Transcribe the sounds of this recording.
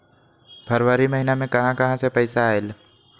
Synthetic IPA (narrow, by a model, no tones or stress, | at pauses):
bʰʱɐɾwaːɾimɐɦinamẽkɐɦãkɐɦãsepɐɪsaːel